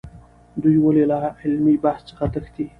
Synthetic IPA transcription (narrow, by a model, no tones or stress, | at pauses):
d̪ujwəlelaɪlmibahst͡səxat̪əxd̪i